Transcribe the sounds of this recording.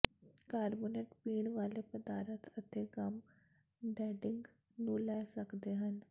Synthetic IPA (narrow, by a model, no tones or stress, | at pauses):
kaɾboneʈpiːɳʋalepəd̪aɾət̪ʰət̪ʰeɡam | ɖɛɖiŋɡ | nulajsəkd̪eɦən